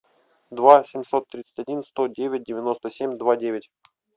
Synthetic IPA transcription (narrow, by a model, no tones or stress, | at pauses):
d̪vasʲɪmʲsot̪ːɾʲit̪sə̥tʲɐdʲinst̪odʲevʲɪt̚ʲdʲɪvʲɪno̞st̪əsʲemʲd̪vadʲevʲɪtʲ